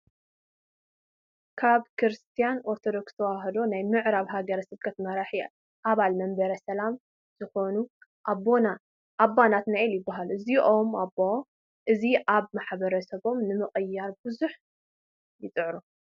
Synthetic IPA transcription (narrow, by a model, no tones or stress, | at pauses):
kʰaβkʰɾɨst̪ʰijano̞ɾt̪ʰo̞d̪o̞kst̪ʰɐwaɦɐd̪o̞najmɨʕɾaβɦaɡɐɾɐsɨβkʰɐt̪mɐɾaħi | ʔaβalmɐmbɐɾɐsɐlam | z̥ɨxo̞nu | ʔabona | ʔːbːanat̪naʔiljɪbːaɦaluɨziʔo̞mabo | ʔɨziʔaβmaħbɐɾɐsɐβo̞mnɨmɨχʼɨjːaɾbɨzuħ | jɪt͡sʼɨʕɾu